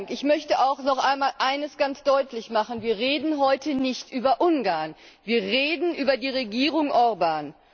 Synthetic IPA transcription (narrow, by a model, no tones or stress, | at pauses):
ŋkɪçmœçtəʔaʊxnɔχʔaɪnmaːlʔaɪnəsɡ̥ant͡sd̥ɔʏtʰlɪçmaχn̩viːɐʁ̞eːdn̩ɦɔʏtənɪçtʔyːbɐʔʊnɡaːɐn | viːɐʁeːdn̩ʔyːbɐdiːʁeɡiːʁʊŋʔɔʁbaːn